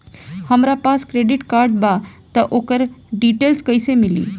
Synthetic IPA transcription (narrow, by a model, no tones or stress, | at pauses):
həmɾapaskɾeɖiʈkaɾɖbat̪əʔokəɾɖiʈelskəjsemilḭː